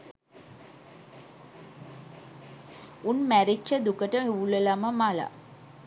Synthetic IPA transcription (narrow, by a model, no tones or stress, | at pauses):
unmæɾit͡ʃːəd̪ukəʈəɦuuləlaməmala̰